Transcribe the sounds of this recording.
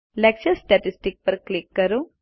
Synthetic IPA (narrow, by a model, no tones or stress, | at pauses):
lɐk̚t͡ʃɐsʈɐʈisʈik̚pɐɾklikːɐɾu